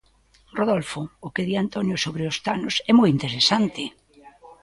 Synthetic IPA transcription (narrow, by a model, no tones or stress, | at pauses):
roðolfoːkeðiant̪onjosoβɾeost̪anʊsɛmɔjint̪eɾesant̪ɪ